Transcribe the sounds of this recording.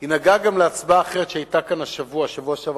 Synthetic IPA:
hinaɡaɡamleat͡sbaːχeʁet̪ʃeajtakanaʃavuaʃavuaʃav

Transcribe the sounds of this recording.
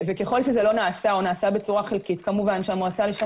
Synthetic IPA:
vekeχo̞lʃezelo̞naːsaonaːsabet͡suʁaχelkitkamuvanʃeamʁat͡saliʃa

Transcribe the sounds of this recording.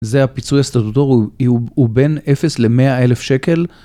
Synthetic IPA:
zeapit͡sujast̪at̪ut̪oʁube̞nefesle̞meae̞lefʃe̞ke̞l

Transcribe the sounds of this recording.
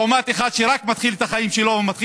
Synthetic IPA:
omat̪eχad̪ʃeɾakmat̪χilet̪aχaimʃelo̞vemat̪χi

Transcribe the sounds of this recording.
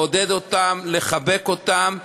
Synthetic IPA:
od̪ed̪ot̪amle̞χabekot̪am

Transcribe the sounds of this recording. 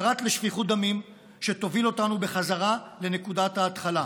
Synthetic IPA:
ʁat̪leʃviχud̪amim | ʃet̪o̞vilo̞tanube̞χazaʁale̞nekudat̪haːt̪χala

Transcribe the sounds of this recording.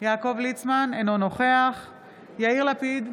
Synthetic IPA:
jaːko̞vlit͡smanenono̞χeaχ | jaiʁlapid̪

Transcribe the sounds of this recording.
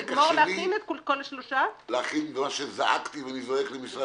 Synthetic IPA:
ɡkmoʁleainet̪kolkoleʃloʃaleaχinbemaʃezaʔa̰kt̪iveanizoheklemisʁa

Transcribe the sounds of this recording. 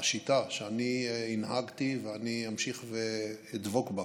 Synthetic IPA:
ʃit̪aʃeaniːnɦaɡt̪iveaniamʃiχveid̪vokba

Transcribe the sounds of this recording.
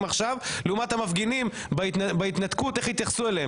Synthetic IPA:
maχʃavleumat̪hamafɡinim | bt̪beit̪nat̪kut̪eχhit̪jaχsuelee

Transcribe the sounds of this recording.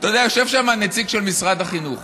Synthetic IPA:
t̪od̪eajoʃevʃamanet͡siɡʃelmisʁad̪haχinuχ

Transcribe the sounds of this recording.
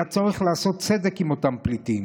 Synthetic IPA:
at͡soʁiχlaːso̞t̪̚t͡se̞d̪e̞kimo̞t̪amplitim

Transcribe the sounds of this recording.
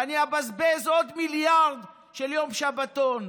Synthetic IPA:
aniabazbezod̪miljaʁd̪ | ʃeljomʃabat̪on

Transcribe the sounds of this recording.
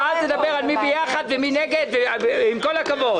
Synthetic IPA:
azned̪abe̞ʁalmibejaχad̪vemineɡe̞d̪veimko̞lakavo̞d

